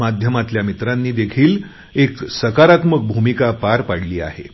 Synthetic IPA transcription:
ad̪ʱjəmat̪ljamit̪ɾanːiːd̪ekʰiːl | eksəkaɾat̪mək̚bʱumikapaɾpaɽliːa̰hḛ

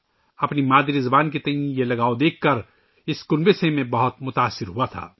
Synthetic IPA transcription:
ɐpnimaːd̪iɾɪzɐbaːnk̬et̪ɐɦĩjelɐɡaːod̪eːkʰːɐɾ | ɪskʊnbesemẽbɐɦʊt̪mʊt̪aːsːɪɾɦuat̪ʰa̰ː

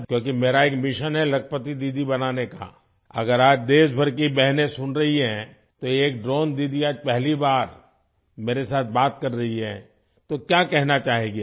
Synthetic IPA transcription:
kjõːkimeːɾaeːkmɪʃənɦɛlɐkʰəpət̪id̪iːd̪ibɐnaːneka̰ | ɐ̰ɡəɾaːd͡ʒd̪eːsbʱɐɾk̬ibɛɦnẽsʊnɾɐɦiɦɛ̃ | t̪ojeːk̚ɖɾoːnd̪iːd̪iaːd͡ʒpɛɦlibaːɾ | meːɾesaːt̪̚ʰbaːt̪kɐɾːɐɦiɦɛ̰̃ | t̪okjaːkɛɦnat͡ʃaːɦeɡi

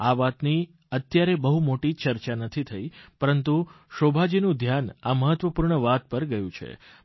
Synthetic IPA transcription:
aʋat̪ni | ət̪jaɾebəɦumoʈit͡ʃəɾt͡ʃanət̪ʰit̪ʰəipəɾənt̪u | ʃobʱad͡ʒinũd̪ʱjanaməɦət̪ʋəpuɾɳəʋat̪̚pəɾɡəjũt͡ʃʰḛ

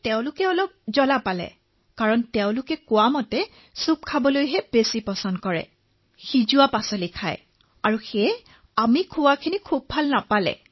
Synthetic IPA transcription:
tɛʊ̃lʊkɛɔlɔp̚zɔlapalɛ̰ | kaɹɔntɛʊ̃lʊkɛkʊwamɔtɛ | sup̚kʰabɔlojɦɛb̥esipɔsɔndkɔɹɛ̰ | xizuwapasɔlikʰaj | aɹuxɛ | amikʰʊwakʰinikʰubʱalnapalɛ̰

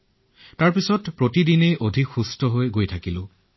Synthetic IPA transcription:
taɹpisɔtpɹotidinejʔodʱikxustɔɦojɡojtʰakilʊ̃

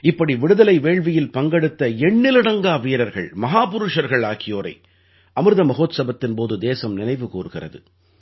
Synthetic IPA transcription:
ɪpːɐɽiʋɪɽɯðɐlɐɪʋeːɭʋɪjɪlpɐŋɡɐɽɯt̪ːɐɛɳːɪlɪɽɐŋɡaːʋiːɾɐɾɣɐ̰ɭmɐɦaːpʊɾɯʂɐɾɣɐɭaːɣɪjoːɾɐ̰ɪ | ɐmɯɾɯðɐmɐɣoːt̪sɐbɐt̪ːɪnpoːðɯd̪eːsɐmnɪnɐɪʋɯkuːɾɯɣɪrɐ̰ðɯ̰

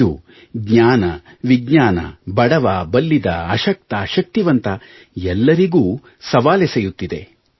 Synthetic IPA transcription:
u | ɡɲaːnɐ̰ | ʋiɡɲaːnɐ̰bɐɽɐʋabɐlːid̪ɐːʃɐk̚t̪ɐʃɐk̚t̪iʋɐnt̪ɐ | ɛlːɐɾiɡuː | sɐʋaːlesejut̪ːid̪e̞̰

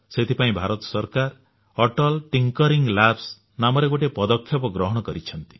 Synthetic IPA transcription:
set̪ʰipaĩbʱaɾɔt̪ɔ̥sɔɾkaɾ | ɔʈɔlʈiŋkɔɾiŋɡlaps | namɔɾeɡoʈepɔd̪ɔkʰːjɔpɔɡɾɔɦɔɽ̃ɔkɔɾit͡ʃʰɔnt̪i̥

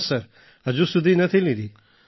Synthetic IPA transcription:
səɾ | ɐd͡ʒusud̪ʱinɐt̪ʰilĩɾiː

